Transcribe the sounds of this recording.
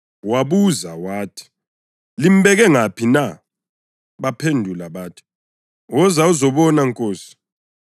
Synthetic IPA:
waβuzawaːtʰi̥ | lim̩ɓɛɣɛŋapʰina | βapʰendʱulaβaːtʰi̥ | wɔzauzɔβɔnaŋkʼoːsi̥

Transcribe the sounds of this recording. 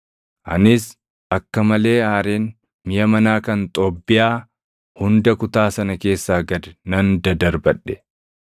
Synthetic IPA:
ʔɐ̰nɪs | ʔɐkːɐmɐle̞ːaːɾeːn | mɪjɐmɐnaːkɐnt̪ʼɔbːɪjaː | hʊnd̪ɐkʊt̪aːsɐnɐke̞ːsːaːɡɐd̪ɛnɐnd̪ɐd̪ɐɾbɐᶑːɛ̥

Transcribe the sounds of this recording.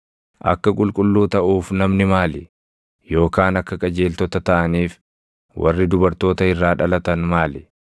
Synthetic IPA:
ʔɐ̰kːɐkʼʊlkʼʊlːuːt̪ɐʔuːfnɐmnɪmaːlɪ | jo̞ːkaːnɐkːɐkʼɐd͡ʒe̞ːlt̪ɔt̪ɐt̪ɐʔɐniːf | wʔɐ̰rːɪd̪ʊbɐɾt̪o̞ːt̪ɐɪrːaːᶑɐlɐt̪ɐnmaːlɪ̥

